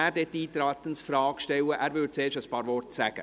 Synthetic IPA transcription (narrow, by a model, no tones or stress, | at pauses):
æːɾdɛt̪ːiːt̪ɾaːt̪ənsfrɑːɡʃtɛwəʔæːɾvʏɾdseːʃəspɑːɾvɔrtsæ̰ɡ̥ə̰